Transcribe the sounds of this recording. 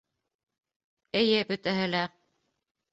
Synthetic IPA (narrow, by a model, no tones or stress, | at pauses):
ɘ̆jɘbɵ̆t̪æɦɘlæ